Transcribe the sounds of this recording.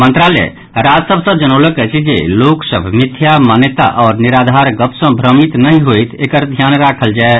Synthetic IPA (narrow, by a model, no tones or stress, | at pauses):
mənt̪ɾalɛ̰ | ɾad͡ʒsəbʱsəbd͡ʒənələkɛt͡ʃʰid͡ʒḛloksəbʱmit̪ʰːjamanjət̪a̰ʔɔːɾniɾad̪ʱaɾɡəpsə̃bʱɾəmit̪nəɦĩɦoit̪ʰekəɾd̪ʱjanɾakʰəld͡ʒae